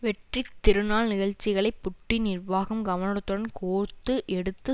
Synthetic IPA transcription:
ʋɛʈrit̪ːɪɾɯnaːlnɪɣɐɭt͡ʃːɪɣɐɭɐɪpːʊʈːinɪrʋaːɣɐmɡɐʋɐnɐɾɐt̪ːɯɾɐnkoːɾt̪ːɯʔɛɽɯt̪ːɯ

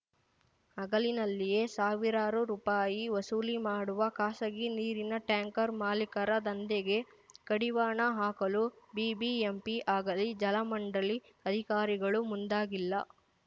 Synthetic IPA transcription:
ɐɡɐlinɐlːije̞saːʋiɾaːɾuɾuːpaːjiʋɐsuːlimaːɽuʋɐkaːsɐɡiniːɾinɐʈjaːŋkɐɾmaːlikɐɾɐd̪ɐnd̪eɡe̞ | kɐɽiʋaːɳɐɦaːkɐlubiːbiempiʔaːɡɐlid͡ʒɐlɐmɐɳɖɐli | ɐd̪ʱikaːɾiɡɐɭumund̪aːɡilːɐ̰

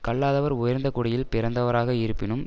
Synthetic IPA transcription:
kɐɭːaːðɐʋɐɾʊjɐɾnd̪ɐkʊɽɐjɪlpɪɾɐnd̪ɐʋɐɾaːɣɐɪɾɯpːɪnɯm

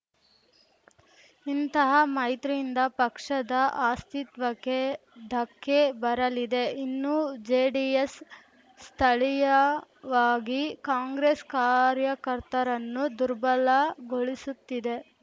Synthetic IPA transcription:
int̪ɐɦɐmɐjt̪ɾijind̪ɐpɐkʂɐd̪ɐʔaːst̪it̪ʋɐkːed̪ʱɐkʰːebɐɾɐlid̪e̞inːud͡ʒeːɖiesː | t̪ʰɐɭijɐʋaːɡikaːŋɡɾeskaːɾjɐkɐɾt̪ɐɾɐnːud̪uɾbɐlɐɡoɭisut̪ːid̪e̞

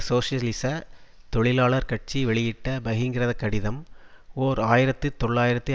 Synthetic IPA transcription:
soːsɪjɐlɪsɐt̪ɔɭɪlaːɭɐɾkɐʈ̚t͡ʃiʋɛɭɪjɪʈːɐbɐɣɪŋɡɪɾɐðɐkːɐɽɪðɐmoːɾaːjɪɾɐt̪ːɯt̪ɔɭːaːjɪɾɐt̪ːɯ

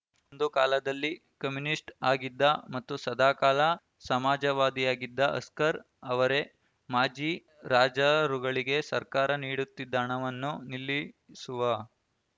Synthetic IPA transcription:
ond̪ukaːlɐd̪ɐlːi | kɐmjunisʈaːɡid̪ːɐmɐt̪ːusɐd̪ʱaːkaːlɐ | sɐmaːd͡ʒɐʋaːd̪ijaːɡid̪ːɐɐ̰skɐɾ | ɐʋɐɾe̞ | maːd͡ʒiː | ɾaːd͡ʒɐɾuɡɐɭiɡe̞sɐɾkaːɾɐniːɽut̪ːid̪ːaːɳɐʋɐnːunilːisuʋɐ

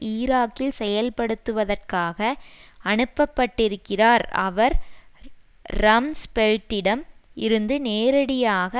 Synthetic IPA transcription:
iːɾaːkːɪlsɛjɐlpɐɽɯt̪ːɯʋɐðɐrkaːɣɐɐɳɯpːɐpːɐʈːɪɾɯkːɪraːɾɐ̰ʋɐɾ | ɾɐmspɛɻʈːɪɽɐmɪɾɯnd̪ɯneːɾɐɽɪjaːɣɐ

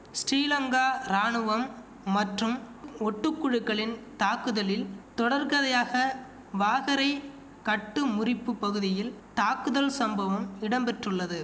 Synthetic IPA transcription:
sʈiːlɐŋɡaːɾaːɳɯʋɐmː | ɐʈrɯm | ɔʈːɯkːʊɻɯkːɐɭɪnt̪aːkːɯðɐlɪlt̪ɔɽɐɾkɐðɐjaːɣɐ | ʋaːɣɐɾɐɪ | kɐʈːɯmʊrɪpːɯpːɐɣɯðɪjɪlt̪aːkɯðɐlsɐmbɐʋɐmɪɽɐmpɛʈrɯɭːɐðɯ

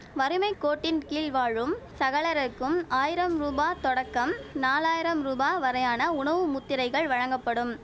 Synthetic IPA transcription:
ʋɐɾɯmɐɪkːoːʈːɪnkiːlʋaːɻɯmsɐɣɐɭɐɾɐkːɯmaːjɪɾɐmɾuːbaːt̪ɔɽɐkːɐmnaːlaːjɪɾɐmɾuːbaːʋɐɾɐjaːnɐʊɳɐʋɯmʊt̪ːɪɾɐɪɣɐɭʋɐɻɐŋɡɐpːɐɽɯm

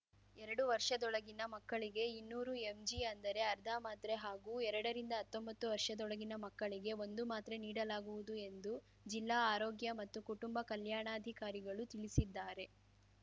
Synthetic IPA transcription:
ɛɾɐɽuʋɐɾʂɐd̪ɔɭɐɡinɐmɐkːɐɭiɡe̞inːuːɾuemd͡ʒiɐnd̪ɐɾe̞ɐɾd̪ʱaːmaːt̪ɾeɦaːɡuːɛɾɐɽɐɾind̪ɐɦɐt̪ːombɐt̪ːuʋɐɾʂɐd̪ɔɭɐɡinɐmɐkːɐɭiɡe̞o̞nd̪umaːt̪ɾeniːɽɐlaːɡuʋud̪ue̞nd̪u | d͡ʒilːaːaːɾoːɡjɐmɐt̪ːukuʈumbɐkɐljaːɳaːd̪ʱikaːɾiɡɐɭut̪iɭisid̪ːaːɾe̞

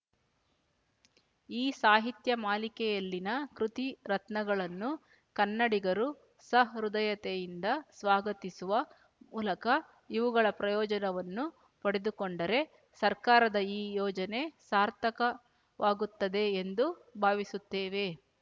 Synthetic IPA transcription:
iːsaːɦit̪jɐmaːlikɛjɐlːinɐkɾut̪iɾɐt̪nɐɡɐɭɐnːu | kɐnːɐɽiɡɐɾu | sɐɦɾud̪ɐjɐt̪ɛjind̪ɐsʋaːɡɐt̪isuʋɐ | muːlɐkɐ | iʋuɡɐɭɐpɾɐjɔːd͡ʒɐnɐʋɐnːu | pɐɽe̞d̪ukoɳɖɐɾe̞ | sɐɾkaːɾɐd̪ɐiːjɔːd͡ʒɐne̞saːɾt̪ʰɐkɐ | ʋʔaːɡut̪ːɐd̪e̞ːnd̪ubʱaːʋisut̪ːeːʋe̞

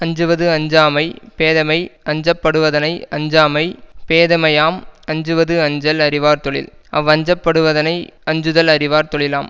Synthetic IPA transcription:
ɐɲd͡ʒɯʋɐðɯɐɲd͡ʒaːmɐɪpeːðɐmɐɪɐɲd͡ʒɐpːɐɽɯʋɐðɐnɐɪɐɲd͡ʒaːmɐɪpeːðɐmɐjaːmɐɲd͡ʒɯʋɐðɯɐɲd͡ʒɐlɐɾɪʋaːɾt̪ɔɭɪ̰lɐʋɐɲd͡ʒɐpːɐɽɯʋɐðɐnɐɪɐɲd͡ʒɯðɐlɐɾɪʋaːɾt̪ɔɭɪlaːm

